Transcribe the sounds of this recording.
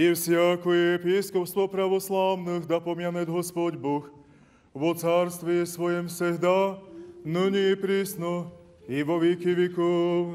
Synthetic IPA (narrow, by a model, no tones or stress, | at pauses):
iwsɪakujɛpiːskɔwst̪ʋɔpɾaʋɔslaːwnɨɣd̪apɔmɪanɛd̪ɦɔspɔɟbɔx | ʋɔt͡saɾst̪ʋisʋɔjɛmsɛɦd̪a | nɨɲipɾiːsnɔ | iʋɔʋikiʋikɔ